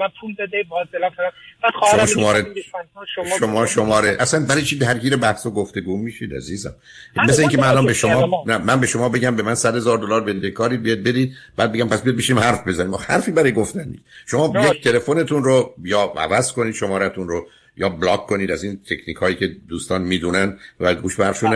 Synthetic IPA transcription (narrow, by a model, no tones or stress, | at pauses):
apʰulbɛd̪ebɒzelæfab̥ḁʃomɒːʃommɒːɾe | ʃomɒːʃomɒːɾeʔæslænbæɾɒjt͡ʃʰid̪æɾɡiːɾebæhsoɡoft̪e̞ɡumiːʃiːd̪æ̰ziːzæ̰m | mesleiːŋcʰemænælɒnbeʃomɒnæmænbe̞ʃomɒːbe̞ɟæmbe̞mænsæd̪hezɒːɾd̪olɒːɾbend̪ekʰɒːɾiːd̪bijɒd̪̚be̞ɾiːd̪̚b̥æːd̪̚e̞ɟæmpæsbijɒd̪̚beʃiniːmhæɾfbe̞zænimhæ̰ɾfiːbæɾɒːjeɡoft̪ænd̪ḭʃomɒːjec̚t̪ʰe̞le̞fone̞t̪ʰunɾojɒːæ̰væz̥ko̞niːd̪ʃomɒːɾæt̪ʰunɾo | jɒːblɒːkʰkːoniːd̪æziːnt̪ʰe̞cʰniːkʰhɒːjiːcʰe̞d̪uːst̪ɒːnmiːd̪unænd̪væɡuːʃbæɾʃune